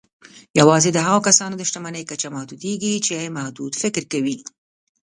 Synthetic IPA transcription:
jawɑzed̪əɦaɣokasɑnod̪əʃt̪amanəjkat͡ʃamahd̪ud̪eɡit͡ʃeamahd̪ud̪fɪkɾkawi

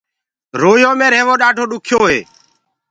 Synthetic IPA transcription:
ɾoːjõːmẽːɾeːʋõːɗaːɖʱoːɗʊkʰjoːɦeː

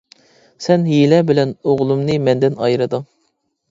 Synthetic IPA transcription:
sɛnɦilɛbɪlɛnoʁlˠumnɨmɛnd̪ɪnɑjɾɨd̪ɨŋ

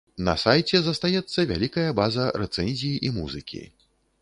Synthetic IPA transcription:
nɐ̰sajt͡sʲɛzɐst̪ajɛt̪sːɐvʲa̰lʲikɐjɐbazɐɾɛt̪sɛnʲzʲijiʔimuzɨkʲḭ

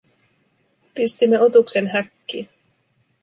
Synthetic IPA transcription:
pist̪imːe̞o̞t̪ukse̞nɦækːiːn

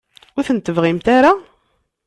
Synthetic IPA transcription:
ʊɾθənt̪əvʁimt̪aɾa

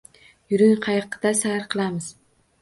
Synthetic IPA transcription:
jʊɾɪŋqʰɑjqʰɨd̪̥asahɾqʰɨlˠamɪz̥

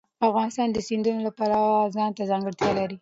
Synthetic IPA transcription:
afɣɑnɪst̪ɑnd̪əsɪnd̪unolapalawazɑnt̪azɑŋɡəɽt̪jɑlaɾi

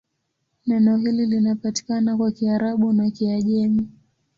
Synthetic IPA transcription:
nɛnɔhililinapati̥kanakwakiaɾaɓunakiaʄɛmi

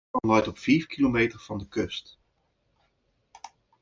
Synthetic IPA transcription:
ɑnœɥtɔpfiːfkilomejtəɹv̥ɑndəkɵst

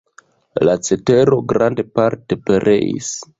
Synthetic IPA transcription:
lat͡se̞te̞ɾo̞ɡɾande̞paɾte̞pe̞ɾʔe̞̰ḭs

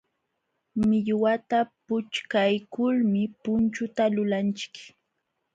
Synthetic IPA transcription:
mɪʎwat̪apʊt͡ʃkajkʊlmɪpʊnt͡ʃʊt̪alʊlant͡ʃɪ̥k

